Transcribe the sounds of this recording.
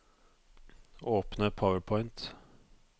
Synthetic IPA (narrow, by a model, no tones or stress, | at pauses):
oːpnəpʰawəɹpʰɔʏnt̪